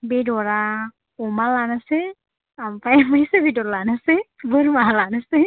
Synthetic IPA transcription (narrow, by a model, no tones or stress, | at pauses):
bedɔɹa | ɔmalanasɛ | ampajamaisebitɔɾlanasɛbɔɾmaɦalanasɛ